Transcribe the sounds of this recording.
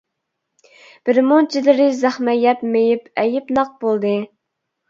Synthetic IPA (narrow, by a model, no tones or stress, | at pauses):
b̥ɪɾmot͡ʃʰilɪɾɪzæχmɛjɛpmejipɛjɪpnɑq̚b̥olˠd̪ɨ